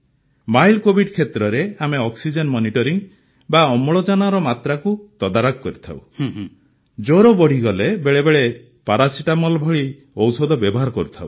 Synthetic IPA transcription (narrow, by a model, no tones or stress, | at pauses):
majlkobʱiɖkʰet̪ɾɔɾeameɔksid͡ʒɔnmɔniʈɔɾiŋ | baɔmɔɭɔd͡ʒanaɾɔmat̪ɾakut̪ɔd̪aɾɔkkɔɾit̪ʰa̰w | d͡ʒoɾobɔɽ̤iɡɔlebeɭebeɭe | paɾasiʈamɔlbʱɔɭi | ɔwsɔd̪ʱɔbjɔbɔɦaɾɔkɔɾut̪ʰaw